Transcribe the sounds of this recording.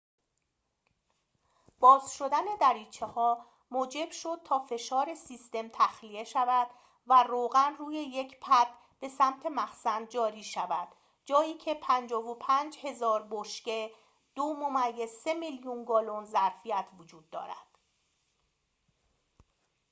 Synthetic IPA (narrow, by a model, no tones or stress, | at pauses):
b̥ɒːzʃo̞d̪æne̞d̪æɾiːt͡ʃʰehɒː | moːd͡ʒe̞b̥ʃo̞d̪̥̚t̪ʰɒːfe̞ʃɒːɾe̞siːst̪e̞mt̪ʰæxlie̞ʃævæd̪̥ | væroːɣænruːje̞je̞cʰpʰæd̪̥ | b̥e̞sæmt̪ʰe̞mæxsænd̪̚d͡ʒɒːɾiːʃævæd̪̥ | d͡ʒɒːjiːcʰe̞pʰænd͡ʒɒːvopʰænd͡ʒhe̞zɒːɾboʃce̞ | d̪̥omomæjːez̥se̞miljunɡɒːlonzæɾfijæt̪ʰvod͡ʒuːd̪̥̚ːɒ̰ːɾæ̰d̪̥